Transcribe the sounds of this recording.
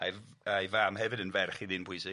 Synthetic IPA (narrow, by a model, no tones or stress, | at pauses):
ajajvaːmhɛvɨdənvɛrχiðɪnpʰwʊjsɪ